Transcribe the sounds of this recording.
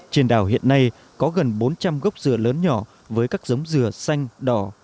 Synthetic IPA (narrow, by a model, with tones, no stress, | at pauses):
t͡ɕi˨˩ənɗa̰ː˧˩wɦḭ˧˨ənːa˧j | kɔ˨˦ɣə˨˩nɓo˨˦nt͡ɕa˧mɣə˦˥wk͡p̚zɨ˨˩ələː˨˦nɲɔ˧˩ | vəː˨˦jkaː˦˥k̚zə˨˦wŋ͡mzɨ˨˩əsa˧jŋ̟ɗɔ˨˩